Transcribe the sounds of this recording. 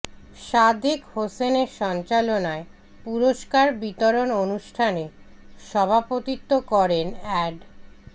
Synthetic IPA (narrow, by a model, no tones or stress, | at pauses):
ʃad̪ʱikhoseneɾʃɔnt͡ɕalonae | puɾoʃkaɾbit̪oɾononuʃʈʰane | ʃɔbʱapot̪it̪ːokɔɾenɛɖ